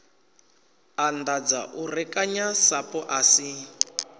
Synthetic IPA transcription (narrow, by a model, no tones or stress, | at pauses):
andad͡za̰ʔurɛkʼaɲasapɔʔasi